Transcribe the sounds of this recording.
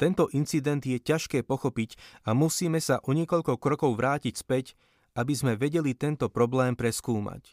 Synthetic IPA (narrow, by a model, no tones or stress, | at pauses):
t̪ɛnt̪ɔʔint͡sid̪ɛnd̪jɛcaʃkɛːpɔxɔpicamusiːmɛsaʔɔɲɪɛkɔʎkɔkɾɔkɔʊʋɾaːcicspɛc | ʔabizmɛʋɛɟɛlit̪ɛnt̪ɔpɾɔblɛːmpɾɛskuːma̰c